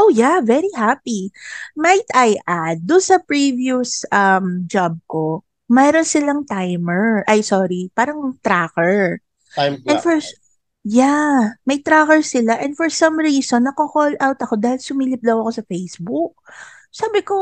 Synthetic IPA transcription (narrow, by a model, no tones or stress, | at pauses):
ʔowjavɛɾiɦapimajt̪ʔajʔad̪̚ːʊnsɐpɹivjʊsʔɐmd͡ʒab̚ko | mɛɾonsɪlaŋt̪ajmɛɹʔɐjsɔɾipaːɾɐŋt̪ɾakɛɹ | ʔɛnfɔɹ | jamɐjt̪ɾakɛɹsɪlaʔɛnd̪fɔɹsɐ̃mɹiːsonːɐkokolʔawt̪ɐko̞d̪aːhɪlsʊmiːlɪp̚d̪ɐwɐko̞sɐfejsbʊk̚ | saːbɪko